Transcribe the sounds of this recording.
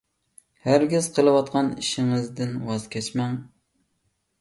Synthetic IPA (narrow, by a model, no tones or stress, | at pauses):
hæɾɡʲɪz̥qʰəlˠɨwɑt̪̚qʰɑniʃɪŋɨzd̪ɪnwɑzkʲʰɛt͡ʃmɛŋ